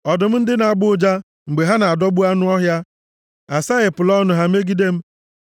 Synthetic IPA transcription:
ɔ˨dʊ˨m̩˦n̩˦dɪ˦na˨a˨ɡ͡bʊ˦d͡ʒa˦ | ŋ͡m̩˨ɡ͡be˨ɦa˦na˨a˨dɔ˦ɡ͡bu˦a˦nʊ˦ɔ˦ɦja˦ | a˨sa˦ɣɪ˨pʊ˨lɔ˦nʊ˨˦ɦa˦m̩˦e˦ɡi˦de˦m̩˦

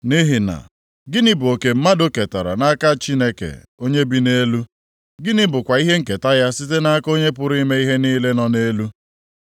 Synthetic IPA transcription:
ni˦ɦɪ˨na̰˨ | ɡɪ˦nɪ˦bʊ˨o˨ke˨m̩˦ma˦do˦ke˨ta̰˨ɾa̰˨na˦ka˦t͡ʃi˦ne˦kḛ˨ | o˦ɲe˦bi˦ne˦lu˦ | ɡɪ˦nɪ˦bʊ˨kʷa˨i˦ɦe˦ŋ̩˨ke˨ta˦ja˦sɪ˦te˦na˦a˦ko˦ɲe˦p̬ʊ˦ɾi˦me˦i˦ɦe˦niː˦le˦nɔ˨ne˦lu˦

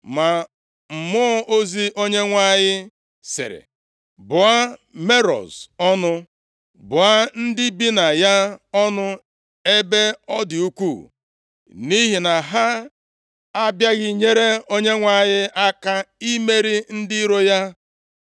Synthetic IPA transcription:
ma˨ | m̩˨mʊ˦ɔ˦ʔo˦zi˦ʔo˦ɲe˦ŋʷa˦˨ɲɪ˦ | sɪ̰˨ɾḛ˨ | bʊ˨a˦me˦ɾɔ̰˨zɔ˦nʊ˦ | bʊ˨a˦n̩˦dɪ˦bi˦na˨ja˦ɔ˦nʊ˦ | e˦be˦ɔ˦dɪ˨u˦kʷu˦˨ | ni˦ɦi˨na˨ɦa˦ | a˦bja˦ɣɪ˦ɲe˦ɾe˦o˦ɲe˦ŋʷa˦˨ɲɪ˦ʔa˦ka˦i˦me˦ɾi˦n̩˦dɪ˦ɾo˦ja˦

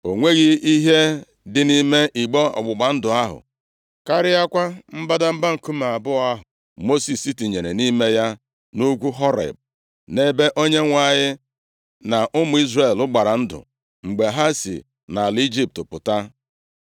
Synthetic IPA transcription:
o˨ŋʷe˦ɣɪ˦i˦ɦe˦ | dɪ˨ni˦me˦ʔi˨ɡ͡bɔ˦ɔ̰˨ɡ͡bʊ˨ɡ͡ba˨n̩˦dʊ˨a˦ɦʊ̰˨ | ka˦ɾɪ˦ja˦kʷa˦m̩˦ba˦da˦m̩˦ba˦ŋ̩˨ku˦m˨a˨bʊ˦a˦ɦʊ˨ | mo˦si˨si˦ti˨ɲe˨ɾe˨ni˦me˦ja˦ | nu˦ɡʷu˦ɦɔ˦ɾḛ˨b̚ | ne˦be˦ʔo˦ɲe˦ŋʷa˦˨ɲɪ˦ | na˨ʔʊ˦mʊ˨˦i˦zre˨lʊ˦ɡ͡ba˨ɾa˨n̩˦dʊ̰˨ | ŋ͡m̩˨ɡ͡be˨ɦa˦sḭ˨ | na˨li˦d͡ʒi˦p̚tʊ˨pʊ˨ta˦

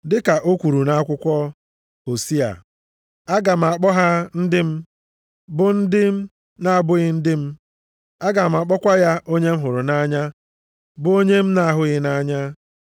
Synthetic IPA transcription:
dɪ˦ka˨ʔo˦kʷu˨ɾu˨na˦a˦kʷʊ˦kʷɔ˦ | o˨si˦a̰˨ | a˦ɡa˨m̩˨a˨k͡pɔ˦ɦa˦n̩˦dɪ˦m̩˦ | bʊ˨n̩˦dɪ˦m̩˦ | na˦˨bʊ˦ɣɪ˦n̩˦dɪ˦m̩˦ | a˦ɡa˨m̩˨a˨k͡pɔ˦kʷa˦ja˦ʔo˦ɲe˦m̩˦ɦʊ˨ɾʊ˨na˦ɲa˦ | bʊ˦o˦ɲe˦m̩˦na˦ɦʊ˦ɣɪ˦na˦ɲa˦

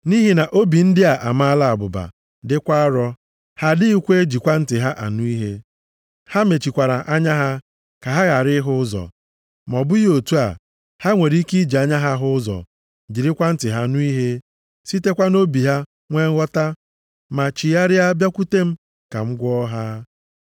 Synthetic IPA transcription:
ni˦ɦi˨˦na˨ʔo˦bi˨n̩˦dɪ˦a˨ʔa̰˨m˦a˦la˦a˨ɡ͡bʊ˨ba̰˨ | dɪ˦kʷa˦ɾɔ˦ | ha˦dɪ˦i˦kʷe˦e˦d͡ʒi˨kʷa˦n̩˦tɪ˨ɦa˦ʔa̰˨nʊ˦i˦ɦe˦ | ha˦me˨t͡ʃi˨kʷa˨ɾa˨ʔa˦ɲa˦ɦa˦ | ka˨ɦa˦ɣa˨ɾɪ˦ɦʊ˦zɔ̰˨ | m˨ɔ˨bʊ˦jo˨tu˦a̰˨ | ha˦ŋʷe˨ɾi˦ki˦d͡ʒi˨a˦ɲa˦ɦa˦ɦʊ˦zɔ̰˨ | d͡ʒi˨ɾɪ˦kʷa˦n̩˦tɪ˨ɦa˦nʊ˦i˦ɦe˦ | si˦te˦kʷa˦no˦bi˨ɦa˦ | ŋʷe˦ŋ̩˦ɣɔ˦ta˦ | ma˨t͡ʃi˨ja˦ɾɪ˦a˦bja˦kʷu˦te˦m̩˦ | ka̰˨ŋ͡m̩˦ɡʷɔ˦ɦa˦

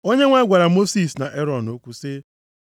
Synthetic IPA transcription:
o˦ɲe˦ŋʷa˦ɡʷa˨ɾa˨mo˦si˦˨sna˨ʔe˦ɾɔ˨no˦kʷu˦sɪ˦

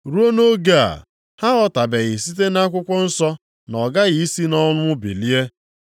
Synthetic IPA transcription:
ɾu˦o˦no˦ɡe˦a̰˨ | ha˦ɣɔ˦ta˨be˨ɣɪ˨si˦t̬e˦na˦kʷʊ˦kʷʊ˦n̩˦sɔ˦ | nɔ˨ɡa˦ɣi˨i˦si˦nɔ˦lʊ˦ʊ˦bḭ˨li˦e˦

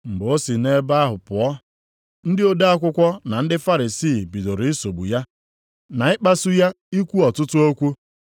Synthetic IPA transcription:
ŋ͡m̩˨ɡ͡bo˦si˨ne˦ba˦a˦ɦʊ˨pʊ˨ɔ˦ | n̩˦dɪ˦o˦da˦a˦kʷʊ˦kʷɔ˦na˨n̩˦dɪ˦fa˦ɾi˨siː˦˨bi˨do˨ɾi˨i˦so˨ɡ͡bṵ˨ja˦ | na˨ɪ˦k͡pa˦su˦ja˦ | i˦kʷu˦ɔ˨tʊ˦tʊ˦o˦kʷu˦

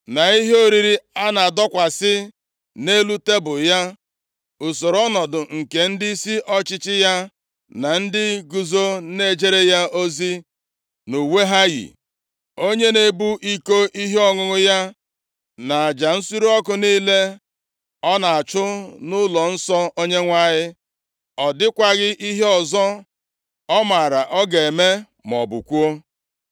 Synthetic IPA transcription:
na˨i˦ɦe˦o˦ɾi˨ɾi˦a˦na˨a˨dɔ˦kʷa˨sɪ˦ | ne˦lu˦te˦bʊ˨ja˦ | ʊ˨so˨ɾɔ˦nɔ˨dʊ˨ŋ̩˨ke˨n̩˦dɪ˦si˦ʔɔ˦t͡ʃɪ˦t͡ʃɪ˦ja˦ | na˨n̩˦dɪ˦ɡu˨zo˦ne˦d͡ʒe˦ɾe˦ja˦o˦zi˦ | nu˨we˦ɦa˦jḭ˨ | o˦ɲe˦ne˨bu˦ʔi˦ko˦ʔi˦ɦe˦ɔ˨ŋʊ˨ŋʊ˦ja˦ | na˨a˨d͡ʒa˨n̩˦su˦ɾu˦ɔ˦kʊ˨niː˦le˦ | ɔ˦na˨a˨t͡ʃʊ˦nʊ˦lɔ˨n̩˦sɔ˦o˦ɲe˦ŋʷa˦˨ɲɪ˦ | ɔ˨dɪ˦kʷa˨ɣɪ˦ʔi˦ɦe˦ɔ˨zɔ˦ | ɔ˦ma˨ɾa˨ʔɔ˦ɡe˨e˨me˦ | m˨ɔ̰˨bṵ˨kʷu˦o˦

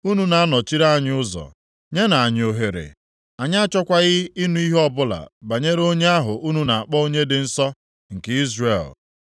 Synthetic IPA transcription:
u˦nu˦na˨a˦nɔ˨t͡ʃi˦ɾa˦a˦˨ɲɪ˦ʊ˦zɔ̰˨ | ɲe˦na˨a˨ɲ˨o˨ɦe˨ɾḛ˨ | a˨ɲ˦t͡ʃɔ˦kʷa˦ɣɪ˦i˦nu˨˦i˦ɦɔ˦bʊ˦la̰˨ba˨ɲe˦ɾo˦ɲe˦a˦ɦʊ˨ʔu˦nu˨na˨a˨k͡pɔ˦o˦ɲe˦dɪ˨n̩˦sɔ˦ | ŋ̩˨ke˦i˦zre˦˨l

